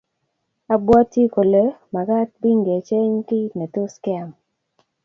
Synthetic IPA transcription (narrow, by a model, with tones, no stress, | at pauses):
a˨bwa˦tji˦ko˨le˦ma˨ka˦t̚bi˦ŋɡe˨t͡ʃe˦ɲkɪ˦ne˨tu˦ska˦˨m